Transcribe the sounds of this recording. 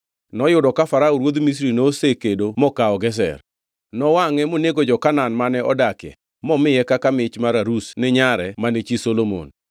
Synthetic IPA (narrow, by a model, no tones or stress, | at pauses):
nɔjʊdɔkafaɾauɾwod̪mis̬ɾinosekedomɔkaɔɡɛs̬ɛ̰r | nɔwaŋɛmoneɡod͡ʒɔkananmanɛɔdakɛ̰ | mɔmɪɛkakamɪt͡ʃmaɾaɾusnɪɲaɾɛmanet͡ʃisolomo̰n